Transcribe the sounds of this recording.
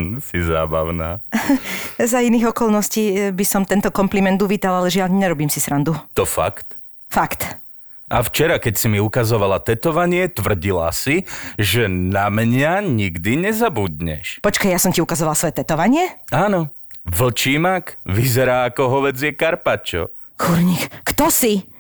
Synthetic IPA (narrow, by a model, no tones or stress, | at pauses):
siza̰ːba̰ʊna̰ː | zainiːɣɔkɔlnɔsciːbisɔmt̪ɛnt̪ɔkɔmplimɛnd̪uʋiːt̪alalɛʒɪaʎɲɛɾɔbiːmsisɾand̪ut̪ɔfa̰kt̪ | fakt̪ | ʔa̰ft͡ʃɛɾakɛcsimiukazɔʋalat̪ɛt̪ɔʋaɲɪɛt̪ʋr̩ɟila̰siʒɛnamɲaɲiɡd̪iɲɛzabud̪ɲɛ̰ʃpɔt͡ʃkajjasɔmciukazɔʋalˠsʋɔjɛt̪ɛt̪ɔʋaɲɪɛaːnɔ | ʋl̩t͡ʃiːmakʋizɛɾaːakɔɦɔʋɛd͡zjɛkaɾpat͡ʃɔ̰ | xuɾɲixkt̪ɔsi